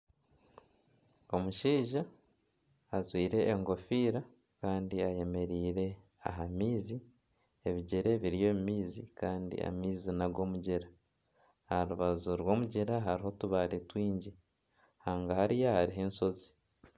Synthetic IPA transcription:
o̞muʃiːʒaː | zwiːɾe̞ʔːŋɡo̞fiːɾa | kaːndiaje̞me̞ɾiːɾe̞ | a̰ɦamiːzi | eβiɟeɾe̞βiɾijo̞ːmumiːzikaːndḭa̰miːzinaɾɡo̞ːmuɟeɾa | ɾuβazuɾwo̞ːmuɟeɾaɦaɾiɦo̞tuβaletwiːɲɟi | haːŋɡahaɾijahaɾiɦe̞ːnso̞zi

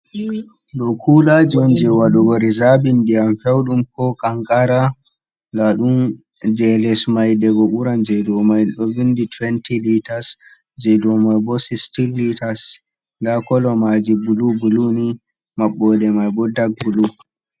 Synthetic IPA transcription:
ɗɔkʰulad͡ʒɔnd͡ʒɛwaɗɔɡɔɾizabindiamfɛwɗumkɔkaŋkʼaɾa | laɗum | d͡ʒɛlɛsmajdɛɡɔɓuɾand͡ʒɛjdɔmajɗɔvinditwɛntilitas | d͡ʒɛjdɔmajbɔsistilːitas | lakɔlɔmad͡ʒibulubuluni | maɓːɔdɛmajbɔdaɡ̚bulu

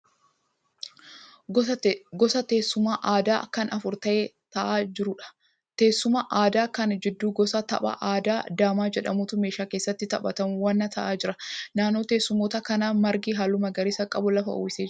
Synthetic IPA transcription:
ɡɔsɐt̪eːsʊmaːʔaːd̪aːkɐnɐfʊɾt̪ɐʔet̪ɐʔaːd͡ʒɪɾʊᶑɐ̥ | t̪eːsːʊmaːʔaːd̪aːkɐnd͡ʒɪd̪ːuːɡɔsɐt̪ɐ̰ɓɐ̰ʔaːd̪aːd̪aːmaːd͡ʒɛᶑɐmut̪ʊmeːʃaːkeːsːɐt̪ːɪt̪ɐɓɐt̪ɐmʊwɐnːɐt̪ʰɐʔaːd͡ʒɪɾɐnaːnːo̞ːt̪eːsːʊmoːt̪ɐkɐnaːmɐɾɡiːɦaːlːʊmɐɡɐɾɪsɐkʼɐbʊlɐfɐʔɔ̰ɪseː

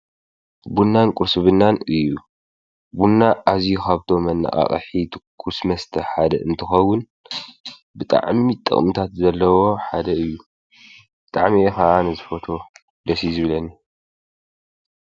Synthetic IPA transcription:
bunːankʼuɾsɨβɨnːanɨjːu | bunːaʔazijukʰaβt̪ʰo̞mɐnːa̰χʼa̰χʼħit̪ʰɨkʰːusmɐst̪ʰɐħad̪ɐʔɨnt̪ʰɨxɐwːʊn | bɨt̪ʼa̰ʕmit̪ʼɐ̰χʼmɨt̪ʰat̪zɐlːɐwo̞ħad̪ɐɨjːu | b̥ɨt̪ʼaʕmiʔexaʔanɨzɨfot̪ʰo̞ | d̪ɐsizɨβɨlɐni

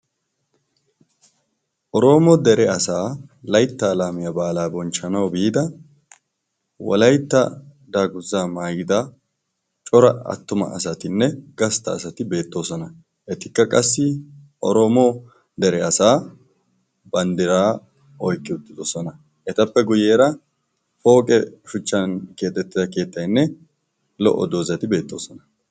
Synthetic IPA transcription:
ʔɔɾo̞ːmɔd̪ɛɾɛɐsaːlɐjt̪ːaːlaːmɪjɐbaːlaːbɔnt͡ʃːɐnɐwbiːd̪ɐ | wɔ̰lɐjt̪ːɐ | d̪aːɡʊzːaːmaːɡɪd̪ɐ | t͡ʃʼɔɾɐɐ̰t̪ːʊmɐ̰ʔɐ̰sɐt̪ɪnːɛɡɐst̪ɐːsɐt̪ɪbe̞ːt̪ːo̞ːsɔnɐ | ʔɛt̪ɪkːɐkʼɐsːɪʔɔɾoːmo̞ː | d̪ɛɾɛɐsaː | bɐnd̪ɪɾaː | ɔjkːɪʊt̪ːɪdosɔnɐ | ʔɛt̪ɐpːɛɡʊjeːɾɐ | fo̞ːkʼɛʃʊt͡ʃːɐnke̞ːt̪ʼːɛt̪ːɪzɐke̞ːt̪ːɐjnːɛ | lɔ̰ʔɔ̰d̪oːzɐt̪ɪbe̞ːt̪ːo̞ːsɔnɐ

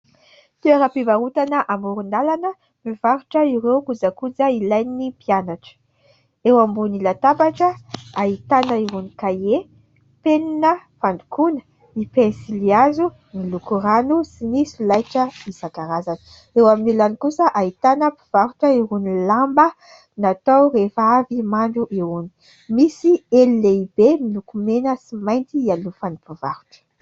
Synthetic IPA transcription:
t̪uaɾapivaɾut̪anəʔamuɾund̪alanə | miv̥aɾuʈ͡ʂəiɾewkud͡zakud͡zəilajnːipianaʈ͡ʂə̥ | ewambunilat̪abaʈ͡ʂəait̪anəiɾunikaje | peninəfand̪ukunə̥ | ipensiliazu | milukuɾanusinisilajʈ͡ʂəisakaɾazanə | ewaminilanikusəʔait̪anəpiv̥aɾuʈ͡ʂəiɾunilambə | nat̪awrefavimaɳɖ͡ʐuʔewuni̥ | misielːeibemilukumenəsimajnt̪iialufanipivaɾu̥ʈ͡ʂə̥

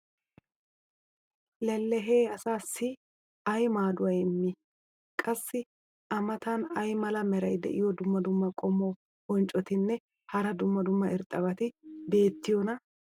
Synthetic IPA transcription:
lɛlːɛɦeːɐsaːsːɪ | ɐjmaːd̪ʊwɐjɪmːi | kʼɐsːɪ | ʔɐmɐt̪ɐnɐjmɐlɐmɛɾɐjd̪ɛ̰ʔɪjɔd̪ʊmːɐd̪ʊmːɐkʼɔmo | ɔnt͡ʃʼɔt̪ɪnːɛ | hɐɾɐd̪ʊmːɐd̪ʊmːɐʔɪɾt̪ʼːɐβɐt̪ɪbe̞ːt̪ːɪjɔnɐ

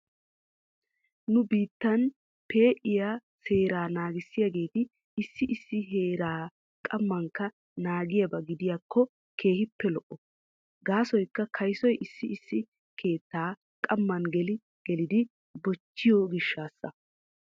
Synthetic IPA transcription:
nʊbiːt̪ːɐn | pe̞ːʔɪjaːse̞ːɾaːnaːɡɪsːɪjaɡe̞ːt̪ɪ | ɪsːɪʔɪsːɪɦe̞ːɾaː | kʼɐmːɐŋkːɐ | naːɡɪjɐbɐɡɪd̪ɪjaːkʰːɔ | kʰe̞ːhɪpːɛlɔʔɔ | ɡaːsɔjkːɐkʰɐjsɔjʔɪsːɪɪsːɪ | kʰe̞ːt̪ːaː | kʼɐmːɐnɡɛlɪ | ɡ̥ɛlɪd̪ɪ | bɔt͡ʃːɪjɔɡɪʃːaːsːɐ̰

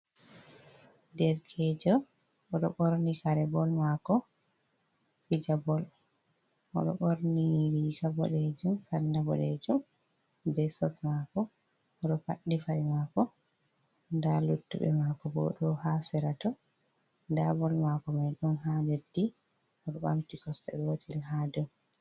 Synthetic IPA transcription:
dɛɾkʰɛd͡ʒɔ | ʔɔɗɔɓoɾnikaɾɛbɔlmakɔ | fid͡ʒabɔl | ʔɔ̰ɗɔ̰ɓoɾniwikabɔ̰ɗed͡ʒumsanːabɔ̰ɗed͡ʒum | bɛsɔsmakɔ | ʔɔɗɔfa̰ɗːifajmakɔ | ndalutːṵbɛ̰makɔbɔ̰ɗɔhasɛɾatɔ | ndabɔlmakɔmajɗumɦadedːi | ɔɗɔɓamtikɔsɛ̰ɓɛwotʰilɦadɔ

